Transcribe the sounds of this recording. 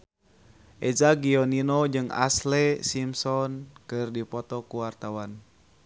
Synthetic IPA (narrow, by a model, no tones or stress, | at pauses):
ʔɛzaɡiɔninɔd͡ʒɨŋa̰slɛsimsɔnkɨrdipɔt̪ɔkuwart̪awan